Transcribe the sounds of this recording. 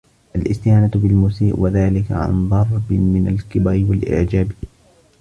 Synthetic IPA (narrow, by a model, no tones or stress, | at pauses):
ʔalʔɪst̪ɪjaːnat̪bɪlmuːsiːʔwaðaːlɪka̰ʕa̰nd̪ˤɑɾˤbɪmɪna̰lkɪbaɾɪwalʔɪ̰ʕd͡ʒaːbi